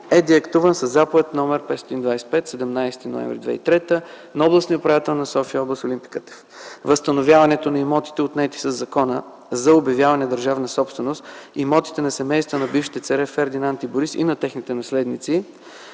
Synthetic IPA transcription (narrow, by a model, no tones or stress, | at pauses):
ɛd̪iɐkt̪uvənsɐzːapovɛt̪nɔmɛɾpɛt̪sɔt̪ind̪vajsɛ̥pɛt̪sɛd̪ɛmnajst̪ino̰ɛ̰mvɾid̪vɛ̰ḭt̪ɾɛt̪ə | nɔblˠəsniopɾɐvjat̪ɛlˠnɐsɔfiəɔblˠəst̪olimpi̥kət̪ɛ̥ | vəst̪ɐnovʲjavɐnɛt̪onɐimɔt̪i̥t̪ɛot̪nɛt̪i̥səzːɐkɔnə | zɐobjɐvjavɐnɛd̪əɾʒavnɐsɔpst̪vɛnost̪imɔt̪i̥t̪ɛnɐsɛmɛjst̪vənɐbifʃi̥t̪ɛt̪sɛɾɛfɛɾd̪inant̪iboɾisḭnɐt̪ɛxnit̪ɛnɐslɛd̪nit̪si